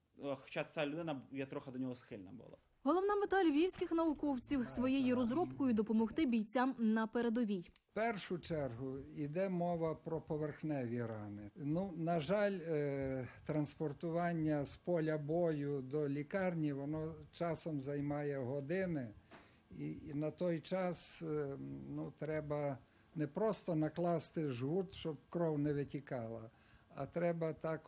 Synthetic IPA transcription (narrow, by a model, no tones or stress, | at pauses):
xɔ̥t͡ʃat͡sʲalʲʊd̪ɪnɐjɛt̪ɾɔxɐd̪ɔnʲɔɦɔsxɪlʲnɐ̰bʊ̰lˠɑ̰ | ɦɔlˠɔwnɑmet̪ɑlʲʋʲiwsʲkɪxnɐʊkɔwt͡sʲiwsʋɔjejiɾɔzɾɔpkɔjʊd̪ɔpɔmɔxt̪ɪbʲijt͡sʲamnɐpeɾed̪ɔʋʲij | pɛrʃʊt͡ʃɛrɦʊid̪ɛmɔʋɐpɾɔpɔʋerxnɛʋʲiɾɑnɪnunɐʒɑlʲ | t̪ɾɐnspɔrt̪ʊʋɑnʲːɐspɔlʲɐbɔjʊd̪ɔlʲikɑrnʲiʋɔnɔt͡ʃɑsɔmzɐjmɑjɛɦɔd̪ɪnɪ | inɐt̪ɔjt͡ʃɑs | nut̪ɾɛbɐ | nɛpɾɔst̪ɔnɐklˠɑst̪ɪʒɦut̪ʃt͡ʃɔb̚kɾɔwnɛʋɪtʲikɑlˠɐ | ɐ̰t̪ɾɛbɐt̪ɑk